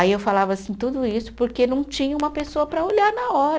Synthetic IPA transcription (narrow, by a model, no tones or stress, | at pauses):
aiewfalavɐasĩt̪ud̪ʊisʊ̥poɾkenɐ̃w̃t͡ʃĩɲɐũmɐpesoɐpɾɐoʎaɾnɐɔɾɐ